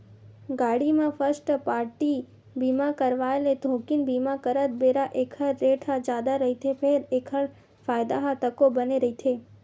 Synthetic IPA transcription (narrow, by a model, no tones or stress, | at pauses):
ɡaɽimãfəɾsʈpaɾʈi | bimãkəɾʋaeled̪ʱõkinbimãkəɾət̪̚beɾaʔekʰəːeʈʰad͡ʒad̪aɾəɦit̪ʰepʰeɾekʰəɭ | fajd̪aɦat̪əkobəneɾəɦit̪ʰe